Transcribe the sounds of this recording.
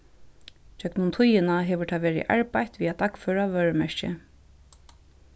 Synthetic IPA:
t͡ɕœknʊnt̪ʰʊjɪnaɦɛːʋʏɹt̪ʰaʋɛːɾɪ̰ʔa̰ɹpajt̪ʋiːat̪akfœːɹaʋœːɹmɛɹcɪ̰

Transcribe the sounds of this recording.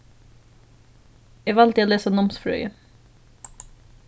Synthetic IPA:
eːʋɑlt̪əoːleːsənɔmsfɾœ̰ʏə

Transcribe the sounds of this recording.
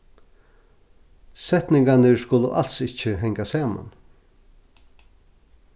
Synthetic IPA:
sɛt̪nɪŋkanɪskʊlʊ̰ʔa̰l̥t̪sɪt͡ʃəɦɛŋkasaːma̰n

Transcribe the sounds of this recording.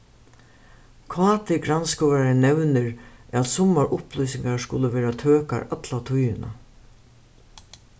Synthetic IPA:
kʰvɑːt̪ʰɪɡɾanskɔaɾɪnɛwnɪɹat̪sʊmːaɹʔʊplujsɪŋkaɹskʊləʋɛːɾat̪ʰøːka̰ɹat̪lat̪ʰʊjɪna̰

